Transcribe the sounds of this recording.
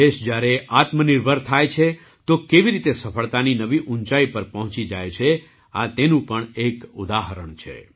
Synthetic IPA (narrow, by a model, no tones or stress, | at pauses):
eʃd͡ʒjaɾeʔat̪mənɪɾbʱəɾt̪ʰajt͡ʃʰe | t̪okeʋiɾit̪esəfʰəɭt̪aninəʋiʔuɲt͡ʃaipəɾpəɦɔ̃t͡ʃid͡ʒajt͡ʃʰe | at̪enũpəɳekud̪aɦəɾəɳt͡ʃʰḛ